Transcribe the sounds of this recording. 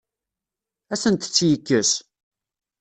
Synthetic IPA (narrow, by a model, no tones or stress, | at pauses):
æsənt̪t͡sːjəkːəs